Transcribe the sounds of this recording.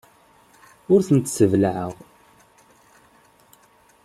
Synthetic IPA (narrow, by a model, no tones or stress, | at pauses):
ʊɾθənt̪səvlʕəʁ